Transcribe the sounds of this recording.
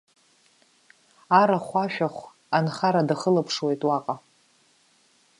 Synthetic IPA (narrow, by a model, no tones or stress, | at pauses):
aɾaχʷaʃᶣaχʷ | anχaɾadaχəlapʰʂwejtʼwaqʼa